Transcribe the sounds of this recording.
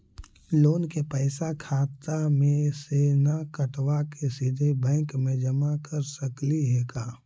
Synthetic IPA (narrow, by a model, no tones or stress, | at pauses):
loːnkepɛːsakʰaːt̪amẽseːnakəʈwakesɪd̪ʱebɛ̃ːŋkmẽd͡ʒɐmakɐɾsəkliɦɛɡaː